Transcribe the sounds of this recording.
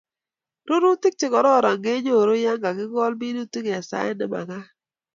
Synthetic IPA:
ɾo˦ɾu˦tɪ˦k̚t͡ʃɪ˨kɔ˨ɾɔ˦˨ɾa˨ŋɡe˦ɲo˦˨ɾo˦ja˦ŋɡa˨ɡɪ˦ɡɔ˦lbi˦no˦ti˦kja˨sa̰˦ɛ˦nɪ̰˦ma̰˨ɡa˦

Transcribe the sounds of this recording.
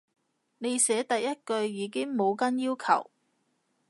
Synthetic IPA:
ne˨˧jsɛː˨˥t̪ɐ˨jjɐ˥t̚kɵ˧ɥjiː˨˧kɪ˥ŋmo˨˧wkɐ˥njiː˥wkʰɐ̰˨˩w

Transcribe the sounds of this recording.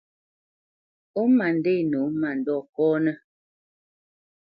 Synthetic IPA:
o˦ma˨n˨de˦˨no˨˦ma˨n̩˨dɔ˦˨kɔ˦nə˦

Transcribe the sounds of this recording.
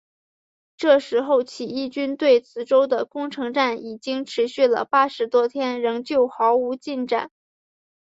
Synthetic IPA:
ʈ͡ʂɤ˥˩ʂɻ̩˧˥xo˥˩ʊt͡ɕʰi˨˩i˥˩t͡ɕy˥nt̪we˥˩ɪt͡sʰɹ̩˧˥ʈ͡ʂo˥ʊd̪ə˨kʊ˥ŋʈ͡ʂʰɤ˧˥ŋʈ͡ʂa˥˩ni˨˩t͡ɕi˥ŋʈ͡ʂʰɻ̩˧˥ɕy˥˩lə̰˩pa˥ʂɻ̩˧˥t̪wɔ˥t̪ʰjɛ˥nɻɤ˧˥ŋt͡ɕjo˥˩ʊxɑ˧˥ʊu˧˥t͡ɕi˥˧nʈ͡ʂa̰˥˩n

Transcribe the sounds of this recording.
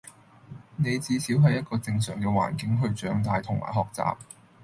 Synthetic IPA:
ne˨˧jt͡siː˧siː˨˥wɦɐ˨jɐ˥t̚kɔː˧t͡sɪ˧ŋsœ̰ː˨˩ŋkɛː˧wa̰ː˨˩nkɪ˨˥ŋɦɵ˧ɥt͡ʃœː˨˥ŋt̪aː˨jt̪ʰʊ˨˩ŋmʔa̰ː˨˩jɦɔː˨k̚t͡sa̰ː˨p̚

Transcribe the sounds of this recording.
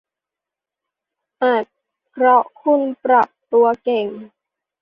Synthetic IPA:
ʔaː˨˩t̪̚ | kʰɾɔ˦˥ʔkʰu˥˩˨npɾa˨˩p̚t̪u˧ɐke˨˩ŋ

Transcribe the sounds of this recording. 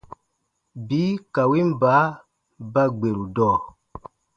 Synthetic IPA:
biː˨˦ka˨wi˦m˦baː˨˦ | ba˦ɡ͡be˨ɾu˨dɔː˦˨

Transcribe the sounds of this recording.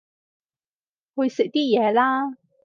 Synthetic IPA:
hɵ˧ɥsɪ˨k̚t̪iː˥jɛː˨˧laː˥

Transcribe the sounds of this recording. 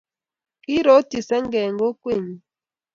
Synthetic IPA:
ki˦ɾɔ˨˦ti˨sɛ˦ŋ˦ɡɛ˨ŋɡo˦kwe˦˨ɲ˨

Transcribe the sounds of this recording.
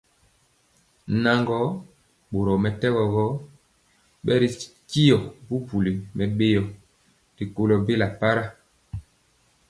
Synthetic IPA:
na˨ŋɡɔ˨˦ | ɓo˨ɾɔ˨mɛ˨tɛ˦ɣɔ˨ɣɔ˦ | ɓɛ˦ɾi˨ki˦jɔ˨bu˦pu˨li˨mɛ˨ɓe˦jɔ˨ | di˨ko˨lɔ˨be˦la˨pa˦ɾa˦

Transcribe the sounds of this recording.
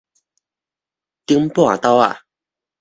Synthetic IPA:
t̪i˥˨ŋm˦po˥˨a̰˨t̪a˥˧wa̰˨

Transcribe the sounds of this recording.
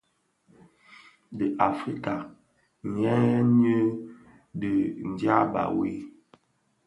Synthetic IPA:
də˨ʔa˨fɾi˦ka˨ | ɲɛ˦ɲə˦ | də˨n̩˨dja˦ba̰˨wi˦

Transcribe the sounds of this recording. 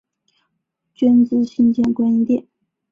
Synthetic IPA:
t͡ɕɛ˥nt͡sɹ̩˥ɕi˥nt͡ɕjɛ˥˩nkwa˥ni˧˥t̪jɛ˥˩˨n

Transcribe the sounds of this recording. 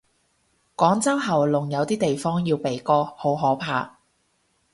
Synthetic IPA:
kɔː˨˥ŋt͡sɐ˥wɦɐ˨˩wlʊ˨˩ŋjɐ˨˧wt̪iː˥t̪e˨jfɔː˥ŋjiː˧wpe˨jkɔː˥ho˨˥wɦɔː˨˥pʰaː˧

